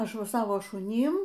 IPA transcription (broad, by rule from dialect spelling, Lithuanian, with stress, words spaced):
ˈɐʃ ˈʋɐ ˈsɑːʋɐ ʃʊˈnʲiːm